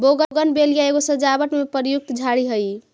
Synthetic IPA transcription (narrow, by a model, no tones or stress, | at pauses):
boɡəɡənbelijaeɡosəd͡ʒabəʈmepəɾjuk̚t̪d͡ʒʱaɽiɦəj